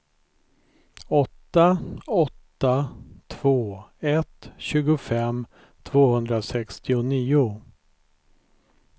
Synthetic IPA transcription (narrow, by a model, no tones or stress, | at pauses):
ɔt̪ːaɔt̪ːat̪ʰv̥oːɛt̪ɕʉ̟ːɡʊfɛm | t̪ʰv̥oːhɵnd̪ɾasɛkst̪ɪʊniːʊ